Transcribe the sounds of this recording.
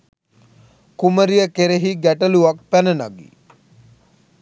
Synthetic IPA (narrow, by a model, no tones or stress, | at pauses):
kuməɾijəkeɾeɦiɡæʈəluʋak̚pænəna̰ɡḭ